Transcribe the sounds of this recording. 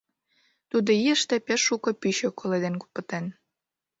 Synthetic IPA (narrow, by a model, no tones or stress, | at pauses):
t̪ud̪oiəʃt̪epeʃːukŏpyɕøkʰoled̪enku̥pə̆t̪en